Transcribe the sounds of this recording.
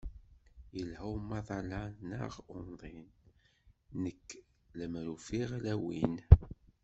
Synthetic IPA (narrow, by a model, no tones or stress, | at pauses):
jəlhæwmːɑðˤɑlɑnə̰ʁʊnðˤinː | əkː | ləmɾufiʁlæwin